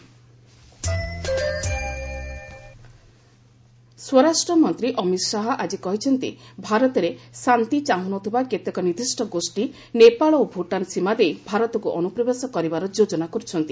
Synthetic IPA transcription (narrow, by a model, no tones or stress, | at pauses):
swɔɾasʈɾɔmɔnt̪ɾiʔɔmit̪ʃaɦɔʔad͡ʒikɔɦit͡ʃʰɔnt̪ḭbʱaɾɔt̪ɔɾesant̪it͡ʃaɦunɔt̪ʰibaket̪ekɔniɾd̪ʱisʈɔɡosʈi | nepaɭɔobʱuʈansimad̪ejbʱaɾɔt̪ɔkuʔɔnupɾɔbesɔkɔɾibaɾɔd͡ʒod͡ʒɔnakɔɾit͡ʃʰɔnt̪i